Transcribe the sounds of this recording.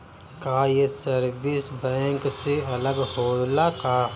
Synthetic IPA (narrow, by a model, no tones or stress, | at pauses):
kaːjesɐɾbɪsbɛ̃ːŋkseɐləɡhoːlakaː